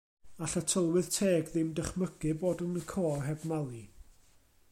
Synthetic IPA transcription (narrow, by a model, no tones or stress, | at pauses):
aɬətʰəlˠwɨð̥tʰeːɡðɪmdəχməɡ̥ɨboːdənkʰoːrɦɛbmalˠi